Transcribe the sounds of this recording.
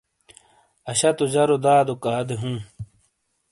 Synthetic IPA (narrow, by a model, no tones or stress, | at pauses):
ɐɕɐt̪od͡ʑɐɾod̪aːd̪okaːd̪eɦũː